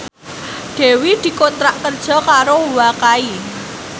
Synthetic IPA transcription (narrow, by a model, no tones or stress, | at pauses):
ɖ̪̥e̤wid̪̥i̤kont̪ɾaʔkərd̥ʒ̥ɔ̤kaɾowakai